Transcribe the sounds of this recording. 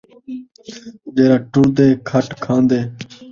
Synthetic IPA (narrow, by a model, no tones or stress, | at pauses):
d͡ʒeːɾaːʈʊɾd̪eːkʰəʈkʰãːnd̪eː